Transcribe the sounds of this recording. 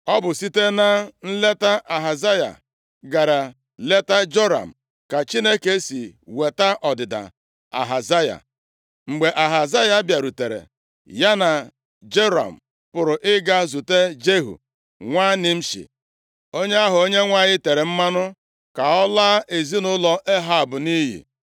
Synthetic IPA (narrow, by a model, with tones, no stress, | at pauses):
ɔ˦bʊ˨si˦te˦na˦n̩˦le˦ta˦ʔa˨ɦa˨za˦ja̰˨ | ɡa˨ɾa˨ | le˦ta˦d͡ʒo˦ɾa̰˨m̩˨ | ka˨t͡ʃi˦ne˦ke˦si˨we˨ta˦ʔɔ˨dɪ˨da̰˨ | a̰˨ɦa˨za˦ja̰˨ | ŋ͡m̩˨ɡ͡be˨ʔa˨ɦa˨za˦ja˨˦bja˨ɾu˨te˨ɾḛ˨ | ja˦na˨ | d͡ʒe˦ɾa̰˨m̩˨ | pʊ˨ɾʊ˨ʔɪ˦ɡa˦zu˨te˦d͡ʒe˦ɦṵ˨ | ŋʷaː˦nɪ˨m̩˦ʃḭ˨ | o˦ɲe˦a˦ɦʊ˨o˦ɲe˦ŋʷa˦ɲɪ˦te˨ɾe˨m̩˦ma˦nʊ˦ | ka˨ɔ˦laː˦ʔe˨zi˦nʊ˦lɔ˦ʔe˦ɦa˨bʊ˨ni˦ɦḭ˨